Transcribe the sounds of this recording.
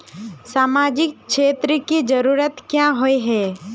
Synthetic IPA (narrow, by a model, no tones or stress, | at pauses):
saːmaːd͡ʒɪk̚kʃʰeːt̪ɾəkid͡ʒəɾuːɾət̪kjãɦoiɦɛː